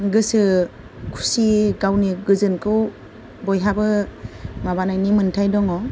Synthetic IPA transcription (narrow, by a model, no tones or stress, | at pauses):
ɡɯsɯ | kʰu̥siɡawniɡɯzɯnkʰɯw | bɔjɦabɯ | mabanajnimɯntʰajdɔŋɔ